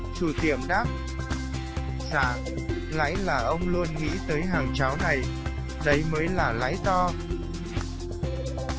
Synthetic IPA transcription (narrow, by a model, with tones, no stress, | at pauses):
t͡ɕu˧˩t̪i˧˩əmɗaː˦˥p̚ | sa̰ː˧˨ | la̰ː˧˥jlaː˨˩ʔə˧wŋ͡mlu˧ənŋḭ˧˥t̪əː˨˦jɦaː˨˩ŋt͡ɕa˨˦wna˨˩j | ɗə˨˦jməː˨˦jlaː˨˩la̰ː˧˥jt̪ɔ˧